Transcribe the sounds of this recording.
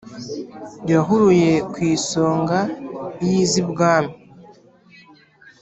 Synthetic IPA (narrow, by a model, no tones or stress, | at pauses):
jaɦuɾuje̞kwiːso̞ːŋɡajiːzibɡaːna